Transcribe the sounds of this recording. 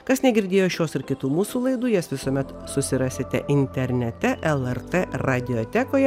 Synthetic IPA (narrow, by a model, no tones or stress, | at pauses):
kɐsnʲɛɡʲɪɾʲd̪ʲeːjoːʃʲjoːsɪɾkʲɪt̪uːmuːsuːlˠɐɪd̪uːjɛːsʋʲɪsoːmʲɛt̪ | sʊsʲɪɾɑːsʲeːt̪ʲɛ̰ʔɪnʲt̪ʲɛɾʲnʲɛt̪ʲɛʔɛlˠɛɾt̪eɾɑd̪ʲɪoːt̪ʲækoːjɛ